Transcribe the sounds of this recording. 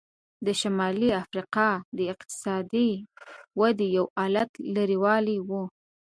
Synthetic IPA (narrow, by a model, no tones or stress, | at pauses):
d̪əʃamɑliafɾiqɑd̪əɪq̚t̪ɪ̥sɑd̪iwad̪ijawɑlat̪laɾiwɑliwu